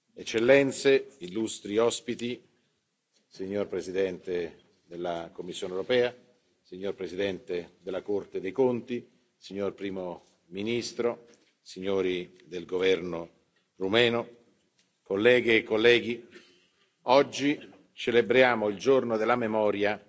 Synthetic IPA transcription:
et͡ʃːelːɛnt̪seilːust̪ɾiɔspit̪i | siɲːorpɾezid̪ɛnt̪e | d̪elːakomːisːjoːnewɾopɛːa | siɲːorpɾezid̪ɛnt̪ed̪elːakort̪ed̪ejkont̪i | siɲːorpɾiːmo | minist̪ɾo | siɲːoːɾi | d̪elɡovɛrno | rumɛːno | kolːɛːɡekːolːɛːɡi | ɔd͡ʒːi | t͡ʃelebɾjaːmoild͡ʒornod̪elamemɔːɾja

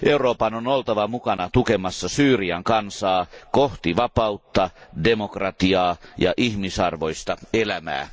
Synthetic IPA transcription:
ʔeuroːpɑnonolt̪ɑʋɑmukɑnɑt̪ukemɑsːɑsyːriɑŋkɑnsɑːkoht̪iʋɑpɑut̪ːɑdemokrɑt̪iɑːjɑ̰ʔihmisɑrʋo̞ist̪ɑelæmæ̰ː

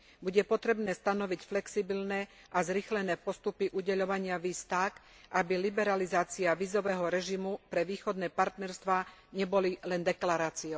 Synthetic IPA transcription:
buɟɛpɔt̪ɾɛbnɛːst̪anɔʋicflɛksibilnɛ | ʔazɾixlɛnɛːpɔst̪upiʔuɟɛʎɔʋaɲɪaʋiːst̪ak | ʔabilibɛɾalizaːt͡siaʋizɔʋɛːɦɔɾɛʒimupɾɛʋiːxɔd̪nɛːpaɾt̪nɛɾst̪ʋaː | ɲɛbɔlilɛnd̪ɛklaɾaːt͡siɔʊ

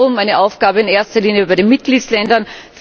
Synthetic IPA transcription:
ʊmæɪnəʔaʊfɡ̥aːbəɪneːɐstɐliːnjəbaɪɾenmɪt̚ɡ̥liːtslɛndɐnf

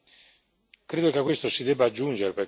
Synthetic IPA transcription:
kɾeːd̪okekːwest̪osid̪ɛbːaːd͡ʒːund͡ʒeɾepe

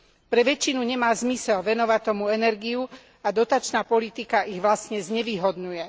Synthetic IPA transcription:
pɾɛʋɛt͡ʃːinuɲɛmaːzmisɛlʋɛnɔʋat̪ɔmuɛnɛɾɡiju | ad̪ɔt̪at͡ʃnaːpɔlit̪ikaʔiɣʋlasɲɛzɲɛʋiːɦɔd̪ɲujɛ

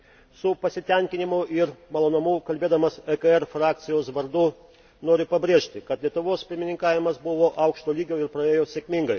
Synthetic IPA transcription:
sʊpɐsʲɪt̪ʲɛŋʲkʲɪnʲɪmʊʔɪɾmɐlˠoːnɐmuːkɐlʲbʲeːd̪ɐmɐsɛkɐɛɾfɾɑːkt̪sʲɪjoːsʋɐɾd̪ʊ | noːɾʲʊpɐbʲɾʲeːʃʲt̪ʲɪkɐt̪lʲiɛt̪ʊʋoːspʲɪɾʲmʲɪnʲɪŋkɑːʋʲɪmɐsbʊʋoːʔɐʊkʃt̪oːlʲiːɡʲoːɪɾpɾɐeːjoːsʲeːkʲmʲɪŋɡɐɪ

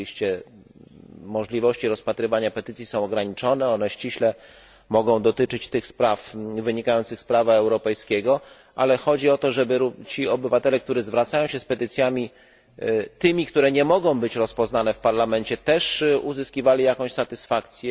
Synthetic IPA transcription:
iɕt͡ɕɛ | mɔʐlʲivɔɕt͡ɕiɾɔspat̪ɾɘvaɲapɛt̪ɘt̪sʲjisɔ̃w̃ɔɡɾaɲit͡ʂɔnɛɔnɛɕt͡ɕiɕlɛ | mɔɡɔ̃w̃d̪ɔt̪ɘt͡ʂɘt͡ɕt̪ɘxspɾafvɘɲikajɔnt̪sɘxspɾavaɛwɾɔpɛjskʲɛɡɔ | ʔalɛxɔd͡ʑiɔt̪ɔʐɛbɘɾut͡ɕiɔbɘvat̪ɛlɛkt̪uɾɛzvɾat̪sajɔ̃w̃ɕɛspɛt̪ɘt̪sʲjamʲi | t̪ɘmʲik̚t̪uɾɛɲɛmɔɡɔ̃w̃bɘt͡ɕɾɔspɔznanɛfpaɾlamɛnt͡ɕɛt̪ɛʂuzɘskʲivalʲijakɔ̃w̃ɕsat̪ɘsfakt̪sʲjɛ

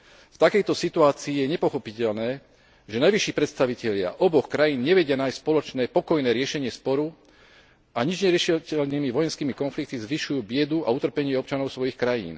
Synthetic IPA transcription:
ft̪akɛjt̪ɔsit̪uaːt͡siːjɛɲɛpɔxɔpicɛʎnɛː | ʒɛnajʋiʃiːpɾɛt̪st̪aʋicɛʎɪa̰ʔɔbɔxkɾajiːnɲɛʋɛɟɪanajsspɔlɔt͡ʃnɛːpɔkɔjnɛːɾɪɛʃɛɲɪɛspɔɾu | aɲid͡ʒɲɛɾɪɛʃcɛlnimiʋɔjɛnskiːmikɔnflik̚t̪izʋiʃujuːbɪɛd̪uaut̪r̩pɛɲɪɛɔp̚t͡ʃanɔʊsʋɔjixkɾajḭːn

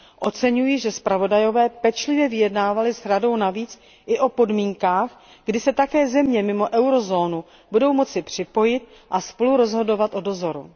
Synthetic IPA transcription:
ʔo̞t͡sɛɲujɪʒɛspɾavo̞dajo̞vɛːpɛt͡ʃlɪvjɛvɪjɛdnaːvalɪsɾado̞wnaviːt͡s | ʔɪʔo̞po̞dmiːŋkaːx | ɡ̥dɪsɛt̪akɛːzɛmɲɛmɪmo̞ʔɛwɾo̞zo̞ːnu | budo̞wmo̞t͡sɪpr̝̥ɪpo̞jɪt̪̚ | ʔaspo̞luɾo̞zɦo̞do̞vat̪ʔo̞do̞zo̞ɾṵ

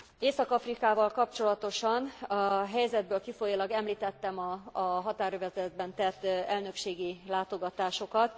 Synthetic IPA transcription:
eːsɒkɒfrikaːvɒlkɒpt͡ʃo̞lɒt̪o̞ʃɒnɒɦɛjzɛd̪̚bøːlkifo̞jilɒɡɛmliːt̪ɛt̪ːɛmɒːɦɒt̪aːɾøvɛzɛd̪̚bɛnt̪ɛt̪ːɛlnø̞kʃeːɡilaːt̪o̞ɡɒt̪aːʃo̞kɒt̪

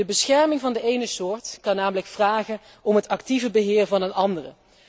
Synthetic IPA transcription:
əbəsχɛɹmɪŋvɑndəʔejnəsʊːɹtkɑnaːmələkfraːχən | ɔmɦətɑktivəbəɦɪːrvɑnənɑndərə

